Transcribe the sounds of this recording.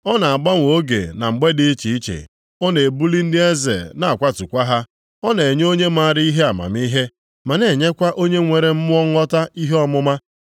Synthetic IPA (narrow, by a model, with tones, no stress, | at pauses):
ɔ˦na˨a˨ɡ͡ba˦ŋʷ˨o˦ɡḛ˨na˨ŋ͡m̩˨ɡ͡be˦dɪ˦t͡ʃi˨i˦t͡ʃḛ˨ | ɔ˦ne˨e˨bu˦li˦n̩˦dɪ˦e˦zḛ˨na˨a˨kʷa˦tu˨kʷa˦ɦa˦ | ɔ˦ne˨ɲ˦o˦ɲe˦ma˦˨ɾɪ˦i˦ɦe˦a˨ma̰˨m˦i˦ɦe˦ | ma˨ne˨ɲe˦kʷa˦ʔo˦ɲe˦ŋʷe˨ɾe˨m̩˦mʊ˦ɔ˦ŋ˦ɔ˦ta˦i˦ɦe˦ɔ˦mʊ˦ma˦